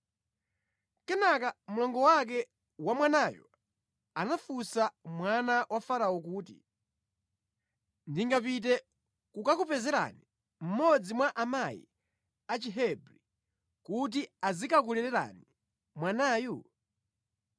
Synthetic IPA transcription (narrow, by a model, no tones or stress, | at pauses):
kɛnakamulɔŋɡɔwak̬ɛ | wamwanajɔ̰ | anafusamwanawʔafaɾaɔkuːtḭ | ndiŋɡap̬it̬ɛ | kukakupɛzɛɾa̰ni | m̩mɔd͡zimwaʔamajḭ | at͡ʃiɦɛbɾi | kut̬iazikak̬ulɛɾɛɾa̰ni | mwanaːju